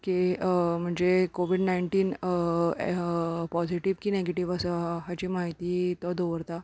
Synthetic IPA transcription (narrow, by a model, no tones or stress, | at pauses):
kim̤əɳd͡zekoʋiɖnaiɳʈiːn | pɔziʈiʋkiːneɡeʈiʋəsaɦat͡ɕiːmaɦit̪iːt̪ɔd̪oʋəɾt̪a